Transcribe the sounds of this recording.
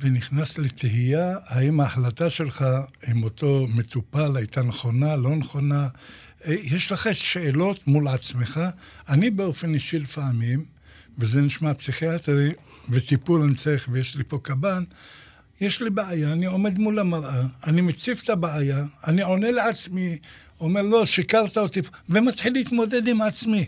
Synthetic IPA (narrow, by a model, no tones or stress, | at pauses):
veniχnaslet̪eɦijahaimaːħlat̪aʃe̞lχaimo̞t̪o̞me̞t̪upalajt̪aneχo̞nalo̞neχo̞na | ejeʃlaχetʃeːlo̞tmulʕat͡sme̞χaanibe̞o̞fe̞niʃilefaʕamim | vezeniʃmapsiχiat̪ʁivet̪ipulanit͡saeχvejeʃlipo̞kaban | jeʃlibeajaːnio̞me̞d̪mulamaʁʔaːnimet͡sift̪abeajaːnio̞ne̞leat͡smi | ome̞ʁlo̞ʃikaʁt̪aot̪ivemat̪ħilːiit̪mo̞d̪e̞d̪imat͡smi